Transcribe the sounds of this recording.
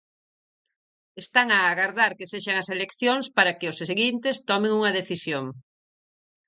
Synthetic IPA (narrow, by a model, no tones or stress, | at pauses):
est̪aŋaːɣaɾðaɾkeseʃaŋɐselekθjoŋspaɾɐkeʊsseɣint̪est̪ɔmẽŋuŋɐðeθisjoŋ